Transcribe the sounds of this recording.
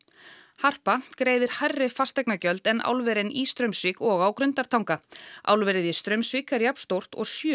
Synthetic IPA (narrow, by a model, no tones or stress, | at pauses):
har̥pakɾeːjðɪɾ̥hajrːɪfast̪ɛjknacœlt̪ɛnʔa̰wlvɛɾɪnist̪ɾœɥmsvikɔɣawkɾʏnt̪aɾ̥t̪ʰawŋkaʔa̰wlvɛɾɪðist̪ɾœɥmsvikaɾjapn̥st̪owr̥t̪ɔ̰ɣsjʏː